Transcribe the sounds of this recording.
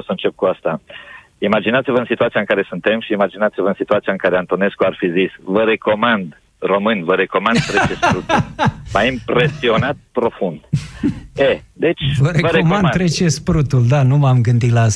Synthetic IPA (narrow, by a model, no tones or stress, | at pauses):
osəɨnt͡ʃep̚kuast̪a | imad͡ʒinat̪sivəɨnsit̪uat̪siaɨŋkaɾe̞sunt̪e̞mʃiːmad͡ʒinat̪sivəɨnsit̪uat̪sijaɨŋkaɾeant̪o̞ne̞skuarfizisvəɾe̞ko̞mand̪ | ro̞mɨnʲvəɾe̞ko̞mand̪t̪ɾet͡ʃesɾut̪ulmajimpɾe̞sio̞nat̪̚pɾo̞fund̪ | ed̪e̞t͡ʃʲvəɾevəɾemand̪t̪ɾet͡ʃe̞spɾut̪uld̪anumamɡɨnd̪it̪laas